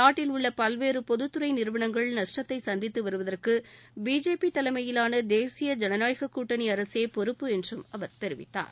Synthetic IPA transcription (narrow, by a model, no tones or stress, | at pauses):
naːʈːɪlʊɭːɐpɐlʋeːɾɯpɔðɯt̪ːɯɾɐɪnɪɾɯʋɐɳɐŋɡɐɭnɐʂʈɐt̪ːɐɪsɐnd̪ɪt̪ːɯʋɐɾɯʋɐðɐrkɯbiːd͡ʒeːpit̪ɐlɐɪmɐjɪlaːnɐd̪eːsɪjɐd͡ʒɛnɐnaːjɣɐkːuːʈːɐniɐɾɐseːpɔɾɯpːɯɛndrɯmɐʋɐɾt̪ɛɾɪʋɪ̰t̪ːa̰ːɾ